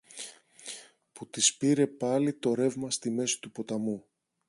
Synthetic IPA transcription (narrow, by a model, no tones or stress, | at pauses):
put̪ispiɾe̞pɐlit̪o̞ɾe̞vmɐst̪ime̞si̥t̪upo̞t̪ɐmu